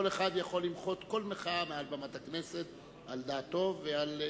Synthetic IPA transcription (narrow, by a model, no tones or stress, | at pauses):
oleχad̪jaχo̞lːimχo̞t̪ko̞lmeχamealbamat̪aknese̞t̪ | ʔald̪at̪ːo̞vːeal